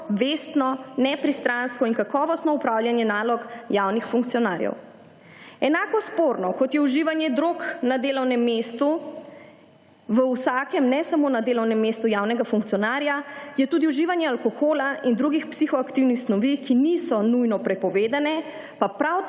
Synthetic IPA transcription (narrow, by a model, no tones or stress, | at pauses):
ʋest̪nɔnɛpɾist̪ɾanskɔiŋkakɔːʋɔst̪nɔupɾawljanjɛnaːlɔkjawnixfuŋkt̪siɔnaːɾjɛ̰w | ɛnaːkɔspoɾnɔkɔt̪jɛuʒiʋanjɛd̪ɾoːknad̪eːlɔwnɛmːest̪u | ʋəwsakɛmnɛsamoːnad̪eːlɔwnɛmːest̪ujawnɛɡafuŋk̚tsijɔnaɾjajɛt̪uːd̪iuʒiːʋanjɛalkɔxoːlaind̪ɾuɡixpsixɔakt̪iwnixsnɔʋikinisɔnujnɔpɾɛpɔʋeːd̪anɛ | papɾaw